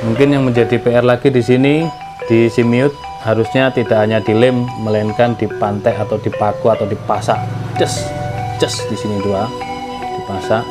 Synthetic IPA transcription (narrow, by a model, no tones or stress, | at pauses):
muŋkɪnjaŋməɲd͡ʒadipeɛrlaɡidisini | d̥isimiʊt̪̚ | haɾusɲat̪idaʔhaɲadilɪmːəlaɪnkandipant̪ajʔat̪awdipakuat̪awdipasaʔd͡ʒəsd͡ʒəsd̥isinid̪ua | d̥ipasaʔ